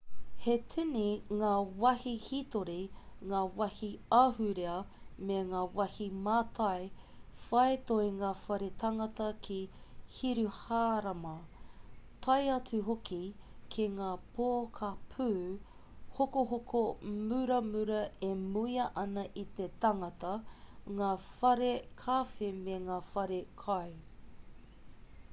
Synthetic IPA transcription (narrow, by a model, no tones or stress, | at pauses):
hetʰiniŋaːwɐhihit̪oɾiŋaːwɐhiɐhʉɾeɐmeŋaːwɐhimaːt̪ʰɐj | fɐet̪oiŋaːfɐɾetʰɐŋɐtɐkʰihiɾuhaːɾɐmɐ | t̪ʰɐjɐt͡suɦokikʰeŋaːpʰoːkʰapʰʉː | hokoɦokʰomʉɾɐmʉɾɐemuiɐʔɐnɐʔit̪et̪ɐŋɐtɐŋaːfɐɾekʰaːfemeŋaːfɐɾekʰɐj